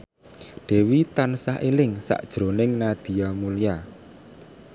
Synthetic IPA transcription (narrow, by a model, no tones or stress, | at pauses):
ɖ̥ɛ̤wit̪ansaɦʔelɪŋsa̰ʔd̥ʒ̥ɾonɪŋnad̪̥i̤jamulija